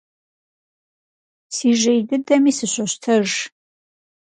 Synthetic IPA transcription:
siːʒejdɨdɐmiːsɨɕʷɐɕtʰɐʒ

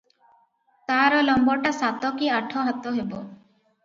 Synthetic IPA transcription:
t̪aɾɔlɔmbɔʈasat̪ɔkiaʈʰɔɦat̪ɔɦebɔ

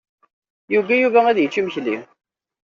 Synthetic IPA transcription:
juɡæjuvææðjət͡ʃːiməçli

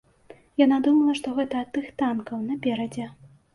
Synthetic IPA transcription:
janad̪umɐlˠɐʂt̪ɔɣɛt̪ɐːt̪ːɨxt̪ankɐwnɐpʲɛɾɐd͡zʲɛ

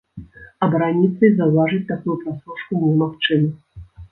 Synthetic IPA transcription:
ɐbɾanʲit̪sɐjzɐwvaʐɨt͡sʲt̪akujupɾasuʂkunʲɛmaxt͡ʂɨnɐ

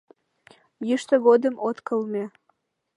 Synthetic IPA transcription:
jəʃt̪əɣod̪əmʔot̪kəlme

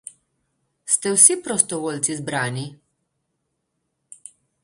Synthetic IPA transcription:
st̪ɛwsipɾɔst̪ɔʋoːlt̪sizbɾaːni

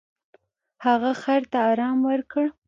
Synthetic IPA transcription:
haɣaxaɾt̪aɑɾɑmwəɾkəɽ

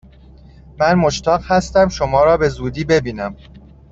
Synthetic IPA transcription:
mænmoʃt̪ʰɒːɢhæst̪æmʃo̞mɒːɾɒːbe̞zuːd̪iːbe̞biːnæm

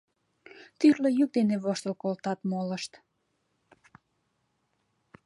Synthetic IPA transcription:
t̪yrləjyk̚d̪eneβoʃt̪ə̆lkolt̪ɑt̪moləʃt̪

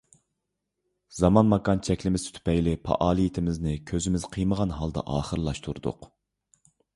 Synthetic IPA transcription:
zɑmɑnmɑkɑnt͡ʃʰɛkʲlɪmɪzt̪ʰy̥t̪ʰy̥pɛjlɪpʰɑ̰ʔɑːlˠijit̪ʰɪmɪznɪkʲʰøzɪmɪzqʰəjməʁɑnɦɑlˠd̪ɑ̰ʔɑːχəɾlˠɑʃt̪ʰuɾd̪ʊ̰q

